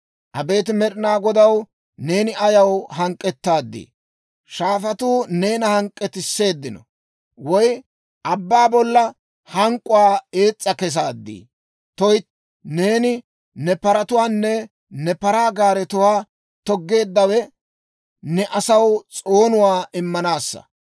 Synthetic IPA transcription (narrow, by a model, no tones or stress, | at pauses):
ʔɐbe̞ːt̪ɪmɛɗɪnaːɡɔd̪ɐw | ne̞ːnɪɐjɐwhɐŋkʼːɛt̪ːaːd̪ːḭː | ʃaːfɐt̪uːne̞ːnɐhɐŋkʼːɛt̪ɪsːe̞ːd̪ːɪnɔ̰ | wɔj | ʔɐbːaːbɔlːɐ | hɐŋkʼʊwaːe̞ːt͡sʼːɐkɛs̬aːd̪ːḭː | t̪ɔj | ne̞ːnɪ | nɛpɐɾɐt̪ʊwaːnːɛ | nɛpɐɾaːɡaːɾɛt̪ʊwaː | t̪ɔɡːe̞ːd̪ːɐwɛ | nɛʔɐsɐwt͡sʼo̞ːnʊwaːʔɪmːɐnaːsːɐ̰